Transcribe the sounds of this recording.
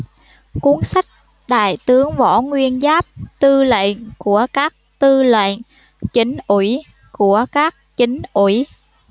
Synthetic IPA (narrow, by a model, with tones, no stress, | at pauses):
ku˨˦ənsa˦˥k̚ | ɗa̰ː˧˨jt̪ɨ˨˦əŋvɔ˧˩ŋwi˧ənzaː˦˥p̚t̪ɨ˧lḛ˧˨nku˧˩əkaː˦˥k̚t̪ɨ˧lə̰˧˨n | t͡ɕi˨˦ŋ̟ʔwi˧˩ | ku˧˩əkaː˦˥k̚t͡ɕï˨˦ŋ̟ʔwi˧˩